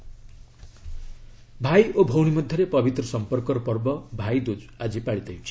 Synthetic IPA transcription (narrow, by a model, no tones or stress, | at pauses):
bʱajobʱowɽ̃imʌd̪ʱjʌɾepʌbit̪ɾɔsɔmpɔrkɔɾpɔrbɔbʱajd̪ud͡zad͡ʒipaɽit̪ajit͡ʃʰi̥